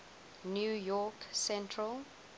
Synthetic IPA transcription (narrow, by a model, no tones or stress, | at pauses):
njujɔksɛ̃ntʰɹəl